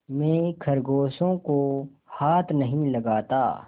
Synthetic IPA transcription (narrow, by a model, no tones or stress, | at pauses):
mẽkʰɐɾɡoːsõkohaːt̪ʰnɐɦĩlɐɡaːt̪a̰ː